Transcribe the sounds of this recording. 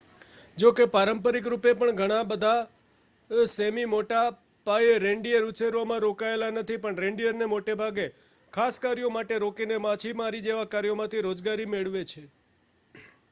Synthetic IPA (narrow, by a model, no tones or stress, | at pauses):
d͡ʒokepaɾəmpəɾik̬ɾupepəɳɡʱəɽ̃ãbəd̪ʱa | semimoʈa | paeɾeɳɖijəɾuseɾʋamãɾokaelanət̪ʰipəɳɾeɳɖijəɾnemoʈebʱaɡe | kʰaskaɾijomaʈeɾokinemãt͡ʃʰimaɾid͡ʒeʋakaɾjomãt̪ʰiɾod͡ʒɡaɾimeɭʋet͡ʃʰe